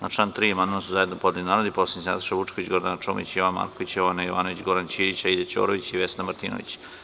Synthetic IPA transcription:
naʈ͡ʂlant̪ɾiamand̪omasuzaje̞d̪nopd̪linaːɾod̪iposiɲsna̰t̪o̥ʃaʋut͡ʂkoʋit͡ɕɡo̞ɾd̪anat͡ʃoːmḭt͡ɕjoʋanma̰ːɾkoʋit͡ɕjoʋanajoʋanoʋit͡ɕɡoɾant͡ɕiːdit͡ɕailat͡ɕo̰ːɾoʋit͡ɕiʋesnamaɾt̪iːno̰ʋḭt͡ɕ

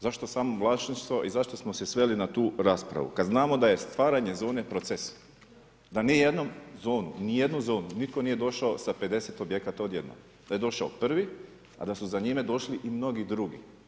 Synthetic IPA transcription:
zaʃt̪o̞saːmoʋlˠaʃniʃt̪ʋo̞ʔizaʃt̪o̞smo̞se̞sʋe̞linat̪uːɾaːspɾa̰ʋṵkad̪znaːmo̞d̪aje̞st̪ʋaːɾaɲe̞zo̞ːne̞pɾo̞t̪ses | d̪anije̞d̪no̞mzo̞ːnṵnije̞d̪nuzo̞ːnunit̪ko̞niːjed̪o̞ʃaosape̞d̪e̞set̪o̞bje̞kat̪aod̪je̞d̪no̰ | d̪aje̞d̪o̞ʃaopr̩ʋi | a̰d̪asuzaɲime̞d̪o̞ʃliʔimno̞ɡid̪ɾuɡḭ

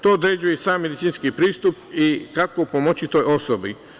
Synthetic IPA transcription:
t̪o̞ːd̪ɾed͡ʑujesaːmːe̞d̪itsiːnskipɾiːst̪upikako̞pomo̞t͡ɕit̪o̞ːjo̞sobi

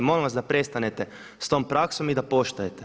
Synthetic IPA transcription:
molimʋasd̪apɾe̞st̪anet̪e | st̪o̞ːmpɾaksomid̪apo̞ʃt̪ujet̪e

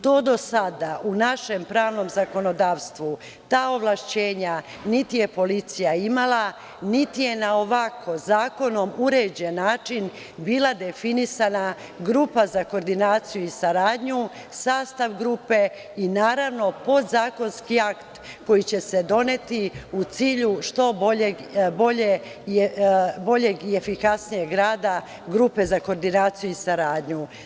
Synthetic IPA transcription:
t̪o̞ːd̪o̞sad̪aʔunaʃe̞mpɾaːʋno̞mzako̞no̞d̪aːʋst̪ʋu | t̪aːo̞ʋlˠaʃt͡ɕe̞ːɲa | nit̪ije̞po̞lit̪sijaimalˠa | nit̪ije̞nao̞ʋakʰo̞zaːko̞no̞muɾed͡ʑe̞nːaːt͡ʃin | biːlad̪e̞finisana | ɡɾupazakoɾd̪inaːt̪sijuisaɾaːd̪ɲu | saːst̪aʋɡɾuːpe̞ | inaːɾaʋno̞po̞d̪zaːko̞nskiakt̪ | ko̞jit͡ɕe̞se̞d̪o̞ne̞t̪iut̪siːʎuʃt̪o̞boʎeɡbo̞ʎe | bo̞ʎe̞ɡiefikasnije̞ɡɾaːd̪a | ɡɾuːpe̞zako̞ːɾd̪inaːt̪sijuisaɾaːd̪ɲu

